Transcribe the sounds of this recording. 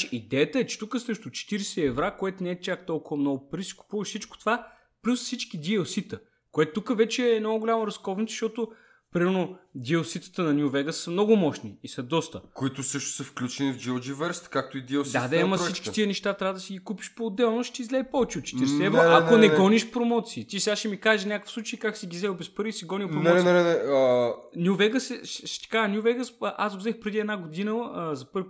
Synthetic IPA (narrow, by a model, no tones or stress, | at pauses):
id̪ɛjət̪əɛt͡ʃɛ̥t̪ukəsɾɛʃt̪ʊt͡ʃɛ̥t̪iɾsɛɛvɾakoɛt̪ʊnɛɛt̪ʲjak̚t̪ɔlˠkʊvəmnɔɡʊpɾisi̥kʊ̥puvəʃsit͡ʃko̥t̪ova | plʲusfsit͡ʃkid̪iosit̪ə | koɛt̪ʊt̪ukəvɛt͡ʃɛːnɔɡʊlʲamɐɾɐskɔvnit̪ʃt̪ɔt̪ʊ | pɾimɛɾnod̪iosit̪ə̥t̪ənɐnʲjuvɛɡəsɐmnɔɡʊmɔʃniːsɐd̪ɔst̪əkʊit̪ʊsɤʃt̪ʊ̥səfklʲut͡ʃɛnivd͡ʒiod͡ʒivɛɾst̪kak̚t̪ʊid̪ʲiɛosd̪ad̪aiimɐɾsit͡ʃkkit̪iənɛʃt̪at̪ɾʲavəd̪ɐsiɡikupiʃpoːd̪ɛlˠnoʃt̪ɛizlɛpɔvɛt͡ʃɛot̪t͡ʃɛ̥t̪iɾsɛɛvɾoakonɛnɡɔniʃpɾomɔt̪siːt̪isɛɡaʃɛmikaʒenʲakəfsˠut͡ʃəikaksiɡʲizɛlbɛspəɾvisiɡɔnipɾonmɔɛɛnɛənʲuvɛɡəsɛʃʃɛ̥t̪ɛ̥kaʒnjuvɛɡəsʔazɡozɛxpɾɛd̪iɛd̪naɡod̪inəzɐpɤɾ